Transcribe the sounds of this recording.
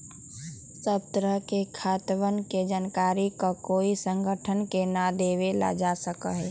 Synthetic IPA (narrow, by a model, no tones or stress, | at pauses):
səp̚t̪ɾəkekʰaːt̪ʋənked͡ʒənkaːɾikakoːisə̃ŋɡʱəʈʰənkenad̪eːʋela̰d͡ʒasəkəɦɛ